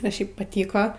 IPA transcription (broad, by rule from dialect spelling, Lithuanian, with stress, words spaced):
ɐ ˈʃʲɛɪp pɐˈtʲiːkoː